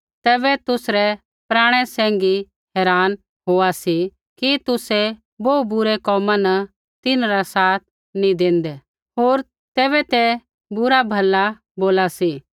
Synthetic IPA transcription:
t̪ɛːbɛt̪ʊsɾɛ | pɾaːɽ̃ɛsɛ̃ːŋɡi | ɦɛːɾaːn | ɦoːasi | kit̪ʊsɛ | boːubʊɾɛkɔːmãnɐ | t̪ɪnɾasaːt̪̚ʰ | nĩd̪ẽːnd̪ɛ | ɦoːɾ | t̪ɛːβɛt̪ɛ | bʊɾabʱɐlːa | boːlasi

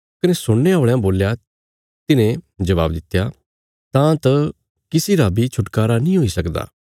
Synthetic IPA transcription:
kɐnẽsʊɽeɦoːɭejãboːlja | t̪ɪnẽd͡ʒɐʋa̰ːbd̪ɪt̪ːjaː | t̪ãːt̪ɐ | kɪsiɾaːbit͡ʃʰʊʈkaːɾanĩːɦoisɐkd̪a̰ː

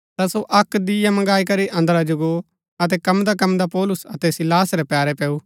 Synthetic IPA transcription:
t̪asoʔɐkd̪ɪjamɐ̃ɡaːikɐɾiʔɐ̃nd̪ɾad͡ʒʊɡo | ɐt̪̬ɛkɐmd̪akɐmd̪apɔːlʊsɐt̪ɛsɪlaːsɾɛpjaːɾɛpɛːu

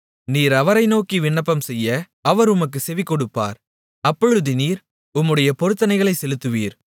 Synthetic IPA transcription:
niːɾɐʋɐɾɐɪnoːkiʋɪɳːɐpːɐmsɛjːɐ | ɐʋɐɾʊmɐkːɯsɛʋɪkːɔɽɯpːa̰ːɾ | ɐpːɔɻɯðɯniːɾ | ʊmːɯɽɐjɐpɔɾɯt̪ːɐnɐɪɣɐɭɐɪsɛlɯt̪ːɯʋiːɾ

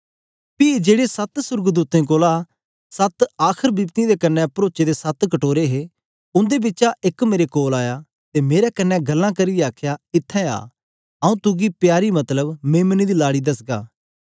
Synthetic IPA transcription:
pɪːd͡ʒeːɽesɐt̪sʊɾɡd̪uːt̪ẽkoːla | sɐt̪aːkʰəɾbɪbt̪ĩd̪ekɐnːɛpɐɾoːt͡ʃed̪esɐt̪kɐʈoːɾeɦe | ʊ̃nd̪ebɪtːʃaʔɪkmeːɾekoːlaːja | t̪emeːɾɛkɐnːɛɡɐlːãkɐɾɪjɛaːkʰjaɪt̪ʰːɛ̃a̰ː | ɐũt̪ʊɡipjaːɾimɐt̪ləbmẽːmənid̪ilaːɽid̪ɐsɡa̰ː

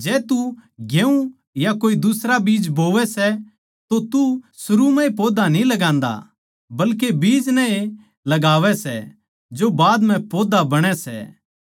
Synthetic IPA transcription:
d͡ʒɛːt̪uɡeːũ | jakoːid̪ʊsɾabiːd͡ʒboːʋɛsɛ | t̪ot̪usʊɾumɛ̃epoːd̪anĩlɐɡãːnd̪a̰ | bɐlkebiːd͡ʒnɛ̃e | lɐɡaːʋɛsɛ̰ | d͡ʒobaːd̪m̤ɛ̃poːd̪abɐɽ̃ɛsɛ̰

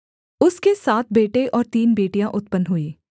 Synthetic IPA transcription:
ʊskesaːt̪̚ʰbeːʈeʔɔːɾt̪iːnbeːʈijãʔʊt̪̚pənɦʊiː

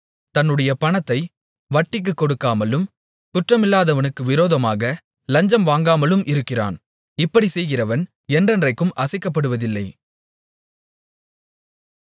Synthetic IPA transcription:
t̪ɐnːɯɽɐjɐpɐɳɐt̪ːɐɪ | ʋɐʈːɪk̬ːɯkːɔɽɯkːaːmɐlɯm | t̪ʊʈrɐmɪlːaːðɐʋɐnɯkːɯʋɪɾoːðɐmaːɣɐ | lɐɲd͡ʒɐmʋaːŋɡaːmɐlɯmʔɪɾɯkːɪra̰ːn | ɪpːɐɽisɛjɣɪrɐʋɐn | ɛndrɐndrɐɪkːɯmʔɐsɐɪkːɐp̬ːɐɽɯʋɐðɪlːɐɪ

